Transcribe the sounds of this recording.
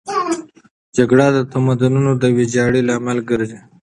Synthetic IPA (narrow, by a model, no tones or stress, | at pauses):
d͡ʒaɡɽad̪ət̪amad̪ʊnunod̪əwid͡ʒɑɽilɑmɪlɡəɾze